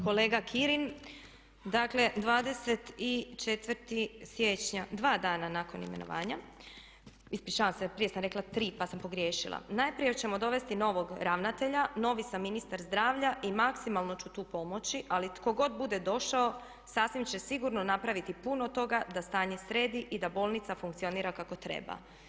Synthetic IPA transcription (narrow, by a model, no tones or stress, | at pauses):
ko̞leːɡakʰiɾin | d̪akle̞d̪ʋaːd̪e̞se̞t̪it͡ʃet̪ʋəɾt̪isjet͡ɕɲad̪ʋaːd̪aːnanako̞nḭmeno̰ʋa̰ːɲa | ispit͡ʃaːʋamsepɾije̞samɾe̞klˠat̪ɾiːpasampo̞ɡɾjeːʃilˠa̰naːjpɾije̞t͡ɕe̞mo̞d̪o̞ʋe̞st̪ino̞ʋo̞ɡɾaʋnat̪e̞ʎano̞ʋisamːinist̪aɾzd̪ɾaːʋʎaʔimaksimalˠno̞t͡ɕut̪uːpo̞mo̞t͡ɕiʔalit̪ko̞ɡo̞d̪̚bud̪e̞d̪o̞ʃao̞ | saːsʋimt͡ɕe̞siɡuɾnonapɾaʋit̪ipuno̞t̪o̞ɡad̪ast̪aːɲesɾe̞ːd̪iʔid̪abo̞ːlˠnit̪safuŋkt̪sio̞niːɾakako̞t̪ɾḛba̰